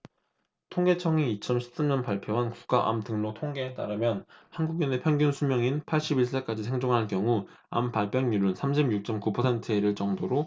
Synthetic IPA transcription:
tʰoŋɡe̞t͡ɕʰʌŋiit͡ɕ͈ʰʌmɕʰi̥p̚s͈amɲʌnpaɭpʰjoɦanku̥k̚k͈aʔa̰mtɯŋnotʰoŋɡe̞ːt͈aɾɯmjʌnhanɡuɡine̞pʰjʌŋɡjunsʰumjʌŋinpʰaɭɕ͈ibiɭs͈ek͈ad͡ʑisʰeŋd͡ʑoŋɦankjʌŋu | a̰mpaɭp͈jʌŋjuɾunsʰamɕʰimjuk̚t͡ɕ͈ʌmkupʰʌsʰentʰɯeɾɯɭt͡ɕ͈ʌŋdoɾo

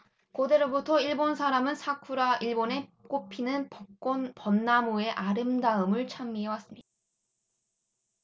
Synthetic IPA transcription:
kode̞ɾobutʰʌiɭbonsʰaɾamɯnsʰakʰuɾaʔiɭbone̞k͈opʰinɯn͈opʌnːamoe̞ʔaɾɯmdaɯmɯɭt͡ɕʰamːiɦewas͈ɯmɲid̥ḁ

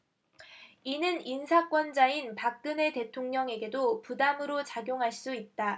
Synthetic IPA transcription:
inɯninsʰak͈wʌnd͡ʑainpak̚k͈ɯne̞te̞tʰoŋɲʌŋe̞ɡe̞dopudamɯɾot͡ɕaɡjoŋɦaɭs͈uit̚t͈a

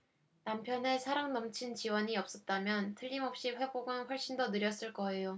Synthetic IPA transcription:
nampʰjʌne̞sʰaɾaŋnʌmt͡ɕʰint͡ɕiwʌɲiʌp̚s͈ʌt̚t͈amjʌntʰɯʎːimʌp̚ɕ͈iɸwe̞boɡanɸwʌɭɕ͈indonɯɾjʌs͈ɯɭk͈ʌe̞jo

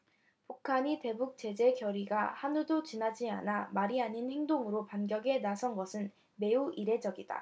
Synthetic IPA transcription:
pukʰaɲite̞buk̚t͡ɕ͈e̞d͡ʑe̞kjʌɾiɡahanudot͡ɕinad͡ʑia̰namaɾiaɲinhe̞ŋdoŋɯɾopanɡjʌɡe̞nasʰʌnɡʌsʰɯn | me̞uʔiɾe̞d͡ʑʌɡida̰

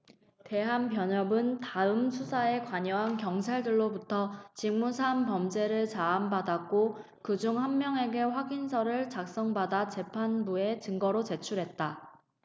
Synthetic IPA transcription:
te̞ɦanpjʌɲʌbɯntaɯmsʰusʰae̞kwaɲʌɦankjʌŋt͡ɕʰaɭdɯɭːobutʰʌt͡ɕiŋmusʰampʌmd͡ʑe̞ɾɯɭt͡ɕaːmbadakk͈o | kɯd͡ʑuŋhanmjʌŋe̞ɡe̞ɸwaɡinsʰʌɾɯɭt͡ɕak̚s͈ʌŋbadat͡ɕe̞pʰanbue̞t͡ɕɯŋɡʌɾot͡ɕe̞t͡ɕʰuɾɦe̞t̚t͈a

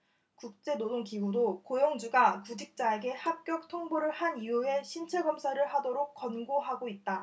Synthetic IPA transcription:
kuk̚t͡ɕ͈e̞nodoŋkiɡudokojoŋd͡ʑuɡakud͡ʑik̚t͡ɕ͈aeɡe̞hap̚k͈jʌk̚tʰoŋboɾɯɭhaniue̞ɕʰint͡ɕʰeɡʌmsʰaɾɯɭɦadoɾok̚k͈ʌnɡoɦaɡoit̚t͈a

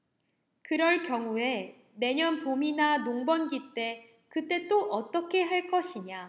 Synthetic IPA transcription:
kɯɾʌɭkjʌŋue̞ | ne̞ɲʌnpominanoŋbʌnɡit͈e̞ | kɯt͈e̞t͈oʔʌt͈ʌkʰe̞ɦaɭk͈ʌɕʰiɲa

